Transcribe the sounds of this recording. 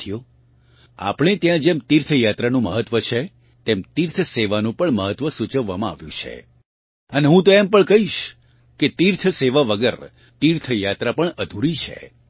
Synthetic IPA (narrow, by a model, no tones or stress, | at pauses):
ijo | a̰pɳ̃et̪jãd͡ʒemt̪iɾt̪ʰjat̪ɾanũməɦət̪ʋət͡ʃʰe | t̪emt̪iɾt̪ʰseʋanũpəɳməɦət̪ʋəsut͡ʃəʋːamãa̰ʋjũt͡ʃʰḛ | əneɦũt̪oɛmpəɳkəɦiʃ | ket̪iɾt̪ʰseʋaʋəɡəɾ | t̪iɾt̪ʰəjat̪ɾapəɳəd̪ʱuɾit͡ʃʰḛ